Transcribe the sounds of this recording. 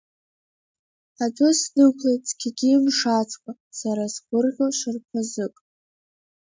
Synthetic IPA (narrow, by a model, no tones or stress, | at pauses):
adʰʊsdɨkʷʰlejt͡sʰʼkʲʰɪɡʲimʂat͡sʰʼkʷʼa | saɾasɡʷʊrʁʲoʃɨrpʷʰazɨkʼ